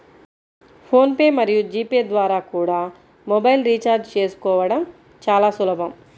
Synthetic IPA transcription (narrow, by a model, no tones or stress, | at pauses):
pʰo̞ːnpe̞ːmɐɾijud͡ʒiːpeːd̪ʋaːɾaːkuːɽaː | mɔbɐjlɾit͡ʃaːɾd͡ʒt͡ʃe̞ːsu̥kɔːʋɐɽɐm | t͡ʃaːlaːsulɐbɐm